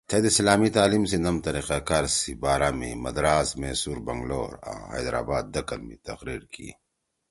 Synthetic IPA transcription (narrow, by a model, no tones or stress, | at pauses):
t̪ʰeːd̪eslaːmit̪aːlimsenɐmt̪ɐɾiqakaːɾsibaːɾaːmĩmɐd̪ɾaːzmeːsuːɾbɐŋɡlo̰ːɾa̰hɐ̰jd̪ɾa̰ːbaːd̪ːɐkɐlmḭ̃t̪ɐqɾiːɾkḭ